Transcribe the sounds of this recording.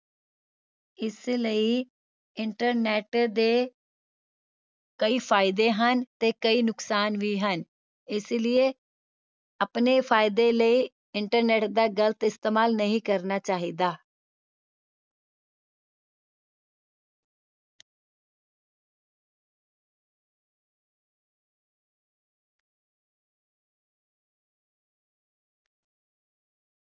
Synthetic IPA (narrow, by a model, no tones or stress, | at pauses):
ɪsləiː | ɪɳʈəɾnɛːʈd̪eː | kəiːpʰaːɪd̪eːɦənt̪eːkəiːnʊksaːnʋiːɦən | ɪslɪeː | əpneːpʰaːɪd̪eːləiː | ɪɳʈəɾnɛːʈd̪aːɡələt̪ɪst̪eːmaːlnəɦĩːkəɾnaːt͡ʃaːɦiːd̪aː